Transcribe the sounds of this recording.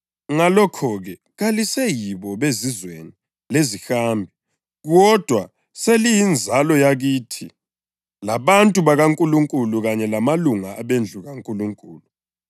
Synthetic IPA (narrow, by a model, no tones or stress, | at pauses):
ŋalɔkʰɔɣɛ | ɣalisɛjiβɔβezizweni | lezixaːmbʱɛ | ɣɔd̥ʱwa | selijind͡zʱalɔjaɣitʰi | laβantʼuβaɣaŋkʼuluŋkʼuluɣaɲɛlamaluŋaːβend͡ɮʱuɣaŋkʼuluŋkʼuːlu